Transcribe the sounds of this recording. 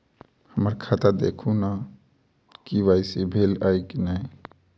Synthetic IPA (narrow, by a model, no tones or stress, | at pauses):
həməɾkʰat̪ad̪ḛːkʰuna | kiʋaːɪsebʱeːlaikinai